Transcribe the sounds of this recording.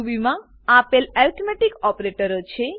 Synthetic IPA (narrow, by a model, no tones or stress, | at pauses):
bimã | apelɛlt̪ʰmɛʈikɔpɾeʈəɾot͡ʃʰe